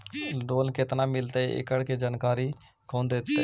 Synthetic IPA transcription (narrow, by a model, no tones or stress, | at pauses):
ɖoːlkɪt̪naːmɪlt̪eʔɪ̰kəɽked͡ʒaːnkaːɾi | kʰõːnd̪eːt̪ːe